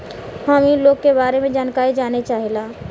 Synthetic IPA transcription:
hamĩloːɡkebaːɾemẽd͡ʒaːnkaːɾid͡ʒaːnet͡ʃaːɦelaː

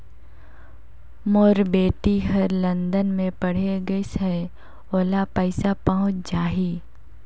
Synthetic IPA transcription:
moːɾbeːʈiɦɐɾlɐ̃nd̪ənmẽpɐɽ̤eɡəsɦɛ | oːlapəɪsapɐɦʊ̃t͡ʃd͡ʒaːɦiː

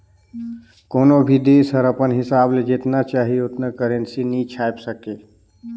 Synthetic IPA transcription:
koːnobʱid̪esəɾəpənɦɪsaːbled͡ʒet̪nat͡ʃaːɦieot̪nəkəɾensinit͡ʃʰajpsəke

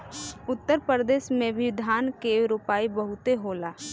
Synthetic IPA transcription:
ʊt̪ːəɾpəɾd̪eːʃmẽbʱid̪ʱaːnkeɾʊpaːibəɦʊt̪eɦoːlaː

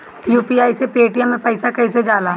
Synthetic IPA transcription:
juːpiaːisepeːʈɪjãmẽpɛɪsakɐised͡ʒaːlaː

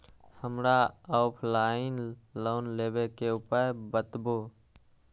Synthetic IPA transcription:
həmɾaɔːpʰlaːɪnloːnleːbekeʊpəɾbət̪bo

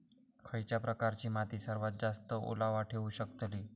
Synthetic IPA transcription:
kʰəjt͡ʃapɾəkaɾt͡ɕimat̪isəɾʋat̪̚d͡ʒast̪əʔṵlaʋaʈʰeũʃəkt̪əli

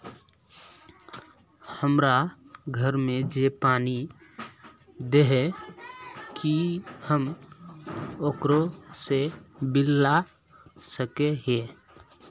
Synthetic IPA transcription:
həmɾaɡʱəɾmẽd͡ʒepaːni | d̪eɦɛ | kihəm | oːkɾosebɪlːa | səkeɦeː

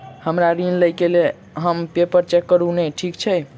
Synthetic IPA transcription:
həmɾaɾinləjkele | ɦəmpepəɾt͡ʃekːəɾunɛʈʰikt͡ʃʰɛ

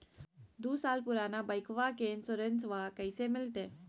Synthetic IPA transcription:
d̪uːsaːlpuɾanabəjkʰʋakensoɾənsʋakəjsemɪlt̪e

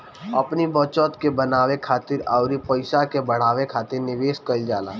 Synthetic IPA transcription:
ɐpnibɔːt͡ʃɔt̪kebənaːwekʰaːt̪ɪɾaʊɾipəɪsakebəɽ̤aːwekʰaːt̪ɪɾnɪʋeːskəld͡ʒaːla̰ː

